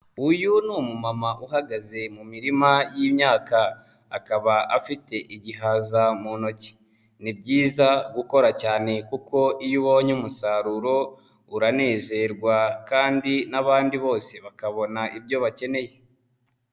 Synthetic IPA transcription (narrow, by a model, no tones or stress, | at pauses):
ujunuːmumamaʔuɦaɡaze̞mumiɾimajiːmɲaːkaː | kaβaʔafite̞ʔiɟiɦazamuno̞ci̥ | nibɟiːzaɡuko̞ɾacaːne̞kuko̞ʔijuwoɲumusaɾuɾo̞ | uɾane̞ːze̞ɾɡwakaːndinaβaːndiβo̞ːse̞βakaβo̞naʔibjo̞βace̞ne̞je̞